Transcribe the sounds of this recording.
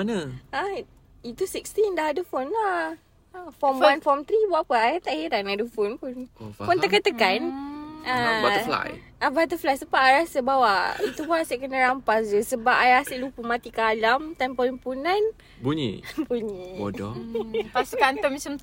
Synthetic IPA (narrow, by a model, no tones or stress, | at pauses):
anəa | it̪usikst̪indaɦadəfɔnla | fɔmwanfɔmt̪ɾibaʔpəajat̪aʔjiɾanadəfonpʊnfɔnəkət̪əkanaafla̰j | abat̪̬əflajsəpaʔaɾasəbawaʔit̪upʊnasiʔkənəɾampasd͡ʒəsəbapajasiʔlupəmãt̪ikəalamt̪ampɔlimpunan | buɲḭbuɲiodɔt̪asukant̪ɔmĩsəm